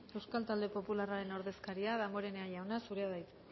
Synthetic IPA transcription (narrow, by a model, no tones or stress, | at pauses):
e̞wskalt̪ald̪e̞po̞pularaɾe̞no̞ɾðe̞skaɾiaðamoɾe̞neajawnasuɾeaðajt̪